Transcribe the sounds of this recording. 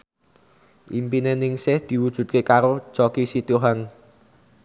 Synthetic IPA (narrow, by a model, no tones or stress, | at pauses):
ʔimpinenɪŋsɪhd̪̥i̤wud̥ʒ̥ṳt̪̚kekaɾo̥t͡ʃɔkisit̪uɦan